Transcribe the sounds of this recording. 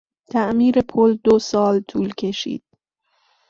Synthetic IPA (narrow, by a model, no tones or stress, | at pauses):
t̪ʰæʔmiːɾepʰold̪osɒːlt̪ʰuːlcʰe̞ʃḭːd̪̥̚